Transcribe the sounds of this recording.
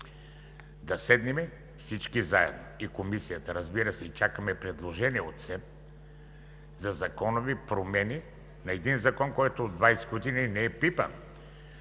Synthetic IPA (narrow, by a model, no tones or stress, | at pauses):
d̪ɐsɛd̪nɛmɛ | fsit͡ʃkizaɛ̰d̪noikomisijət̪ɐɾɐzbiɾəsɛit͡ʃakəmɛpɾɛd̪lˠoʒɛniɛot̪sɛ | zɐzɐkɔnovipɾomɛni | nɐɛd̪inzɐkɔnkɔjt̪oːd̪ːvajsɛ̥ɡod̪ininɛɛpipə̰